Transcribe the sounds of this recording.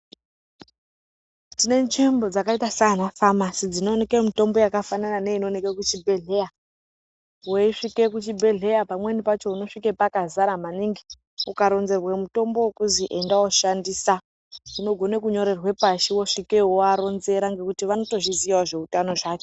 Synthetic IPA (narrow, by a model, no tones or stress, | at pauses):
tine̞nimbo̞d͡zakaitasanafamasid͡zino̞ne̞kemito̞mbo̞jakafananane̞ino̞nekekut͡ʃibʱe̞ɮe̞ja | woiʂike̞kut͡ʃibʱe̞ɮe̞japamwe̞nipat͡ʃo̞uno̞ʂikepakazaɾamaniŋɡi | ukaɾo̞nze̞rwemuto̞mbowekuziʔendawoʃandisa | ino̞ɡʱo̞ne̞kuɲo̞ɾe̞rwe̞paʃiwoʂike̞ɦoaɾo̞nze̞ɾaŋɡe̞kutiʋano̞to̞ʐiziwaʐe̞utano̞ʐaːt͡ʃo